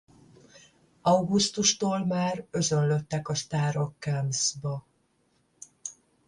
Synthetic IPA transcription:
ɒwɡust̪uʃt̪oːlmaːrø̞zø̞nlø̞t̪ːɛkɒʃt̪aːɾo̞kːɛmsbɒ

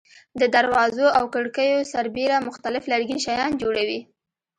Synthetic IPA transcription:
d̪əd̪aɾwɑzoawkəɽkəjosaɾbeɾamʊxt̪alɪflaɽɡinʃajɑnd͡ʒoɽawi

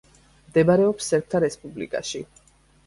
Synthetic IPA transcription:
md̪ɛbaɾɛɔpsːɛɾp̚ʰt̪ʰaɾɛspʼublḭkʼa̰ʃi

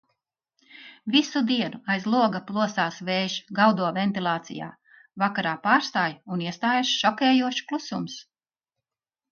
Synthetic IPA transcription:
visud̪iɛnuajzlˠuɔɡaplˠuɔsaːsvɛːʒɡawd̪uɔvɛnt̪ilˠaːt̪sḭja̰ː | vakaɾaːpaːɾst̪aːjuniɛst̪aːjaʃʃɔkʲɛːjuɔʃklˠusums

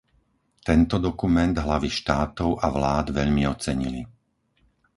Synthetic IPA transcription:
t̪ɛnt̪ɔd̪ɔkumɛnd̪ɦlaʋiʃt̪aːt̪ɔʊʔaʋlaːd̪ʋɛʎmiɔt͡sɛɲili

